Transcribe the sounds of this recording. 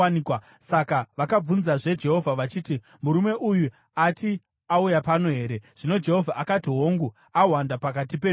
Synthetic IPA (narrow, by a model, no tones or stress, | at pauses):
nikwa | sakaʋakab͡vunzaʐe̞d͡ʒe̞ɦo̞vʱaʋat͡ʃiːti | muɾume̞ʔuju | ati | aujapano̞ɦe̞ːɾe̞ʐ̥ino̞d͡ʒe̞ɦo̞vʱaʔakatiɦo̞ŋɡu | awandapakatipe